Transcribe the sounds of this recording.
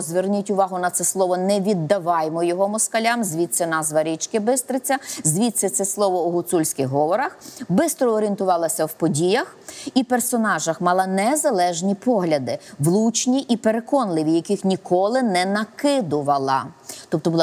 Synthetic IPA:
zʋernʲutʲʊʋɑɦʊnɐt̪sɛslˠɔʋɔnɛʋʲid̪ːɐʋɑjmɔjɔɦɔmɔskɐlʲamzʲʋʲit̪sɛnɑzʋɐɾʲit͡ʃkɪbɪst̪ɾɪt͡sʲːɐzʲʋʲit̪sɛt̪sɛslˠɔʋɔːɦʊt̪sulʲsʲkɪxɦɔʋɔɾɐxbɪst̪ɾɔːɾient̪ʊʋɑlˠɐsʲɐwpɔdʲijɐxipersɔnɑʒɐxmɑlˠɐnɛzɐlˠɛʒnʲipɔɦlʲɐd̪ɪʋlˠut͡ʃnʲiʔipeɾekɔnlˠɪʋʲijɐkɪxnʲikɔlˠɪnɛnɐkɪd̪ʊʋɐlˠɐ̰t̪ɔp̚t̪ɔblˠ

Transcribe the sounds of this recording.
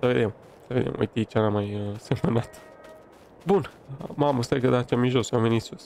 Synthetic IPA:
səve̞d̪e̞m | səve̞d̪ḛmʔo̰jt̪it͡ʃanamajse̞mənat̪ | bunmaməst̪akəd̪at͡ʃamiʒosamvenit̪sus

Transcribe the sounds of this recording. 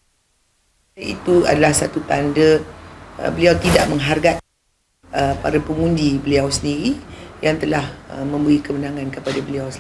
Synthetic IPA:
aḭt̪ua̰dalahsat̪ut̪andə | ə̰bəliawt̪idaʔməŋɦarɡat̪̚ | əpa̰ɾapəŋundibəliawsəndiɾijaŋt̪əlahəmə̃mbəikəmənãŋãnkəpadabəliaws

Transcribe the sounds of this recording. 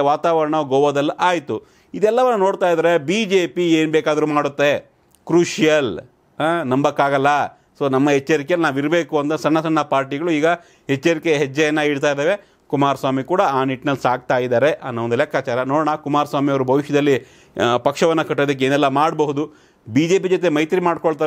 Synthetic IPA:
ʋaːt̪aːʋɐɾɐɳɐɡɔʋɐd̪ɐlːɐʔaːjt̪u | id̪ɛlːɐʋɐnːɐnoːɽt̪aːjd̪aːɾebid͡ʒeːpieːnbeːkaːd̪ɐɾumaːɽut̪ːe̞ | kɾuːʂijɐl | anɐmbɐkːaːɡɐlːɐ | soːnɐmːɐɦɛt͡ʃːɐɾikeɐlnaːʋiɾbeːkuɐnt̪ɐsɐɳːɐsɐɳːɐpaːɾʈiɡɐɭuiːɡɐ | hɛt͡ʃːɐɾikeɦɛt͡ʃd͡ʒːɐjɐnːɐiɽt̪aːjd̪eːʋe̞ | kumaːɾsʋaːmikuːɽɐaːniʈnɐlːisaːk̚t̪aːjid̪aːɾeʔɐnːɐond̪ɛlɛkaːt͡ʃaːɾɐnoːɽɳɐkumaːɾsʋaːmijɐʋɐɾubʱɐʋiʃjɐd̪ɐlːi | pɐkʂɐʋɐnːɐkɐʈːed̪ɐk̬ːeːnɛlːɐmaːɽbɐɦud̪u | biːd͡ʒe̞ːpid͡ʒot̪e̞mɐjt̪ɾimaːɖkoɭt̪aː

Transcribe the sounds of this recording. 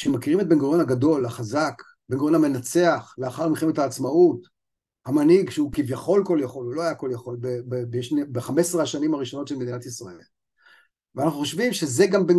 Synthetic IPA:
ʃeemakiʁimet̚benɡonhaɡado̞lhaχazak | benɡoonhame̞nat͡se̞aχleaχaʁmiχemet̪haːt͡smaut | hamanhiɡʃeukivjaχo̞lko̞ljaχo̞lulo̞ajako̞ljaχo̞lbebebeʃnebeχameseʁhaʃanimaʁiʃo̞no̞t̪ʃelmed̪inat̪isʁaḛl | veanaχnuχoʃvimʃezeɡamben

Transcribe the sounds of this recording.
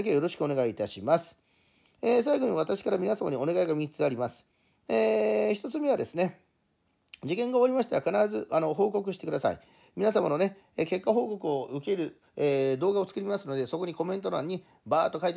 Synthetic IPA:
kejo̞ɾo̞ɕi̥kɯ̟o̞ne̞ɡait̪aɕimasɨ̥ | eːs̬ajɡo̞ɲ̟iβ̞at̪aɕi̥kaɾamʲinasama̰ɲ̟io̞ne̞ɡaiɡamʲit͡sɨ̥t͡sɨaɾʲimasɨ̥ | eːçi̥t̪o̞t͡sɨme̞β̞ad̪esɨne̞ | d͡ʑikẽ̞ŋɡaoɾʲimaɕi̥t̪eβakanaɾazɨʔano̞ɦo̞ːko̞k̬ɯ̟ɕi̥t̪ekd̪asa̰ḭ | mʲinasamano̞ne̞ | ke̞kːaɦo̞ːko̞kɯ̟o̞ɯ̟ke̞ɾɯ̟ | eːd̪o̞ːɡao̞t͡sɨ̥kɯ̟ɾʲimasɨno̞d̪e̞so̞ko̞ɲ̟iko̞mẽ̞nt̪o̞ɾã̰ɲ̟ːi | baːt̪ːo̞kait̪e

